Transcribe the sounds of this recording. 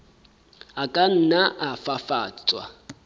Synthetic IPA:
akʼan̩naʔafafaːt͡sʼwa̰

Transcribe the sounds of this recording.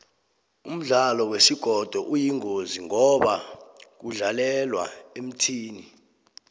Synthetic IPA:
um̩ɮalɔwesiɡ̥ʱɔd̥ʱɔʔujiŋoziŋɔɓak̬uɮalɛlwa̰em̩tʰiːni

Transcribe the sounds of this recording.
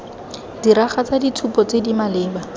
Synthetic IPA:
diɾaχat͡saditʰupɔt͡sedimalɪːba

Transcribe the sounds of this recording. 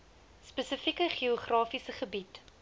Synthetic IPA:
spəsəfikəχioχrɑːfisəχəbit

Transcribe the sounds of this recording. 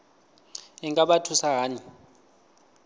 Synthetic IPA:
iŋkʼaɓatʰusaɦaːni

